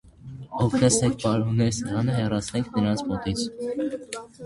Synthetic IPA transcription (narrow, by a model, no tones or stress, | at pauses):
ɔkʰɾɛsɛk̚ʰpɑɾɦunɛɾsəɾɑnəɦɛrɑt͡sʰnɛŋkʰnəɾɑnt͡sʰmɔt̪it͡sʰ